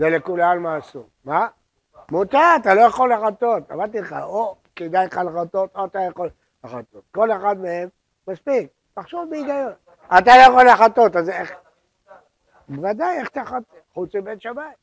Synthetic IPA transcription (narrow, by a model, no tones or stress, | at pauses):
zelekulalmaːsu | ma | mutaːt̪alojaχo̞leaχat̪ot̪a̰maʁdt̪ileχa̰ʔoked̪ajχalaχat̪ot̪oat̪ajaχol | laχat̪ot̪̚ko̞leχad̪meemː | aspik̚ | taχʃovbeiɡajon | at̪alo̞jaχoleaχato̞t̪azeχ | bevad̪ajeχt̪aχat̪ | ħut͡smibetʃamaim